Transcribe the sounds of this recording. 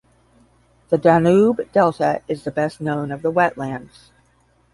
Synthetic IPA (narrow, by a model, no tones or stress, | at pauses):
ðɨdænubd̥ɛlˠtɨɨzðɨbɛstⁿnõʊ̃nʌvðəwɛʔlæ̃ndz̥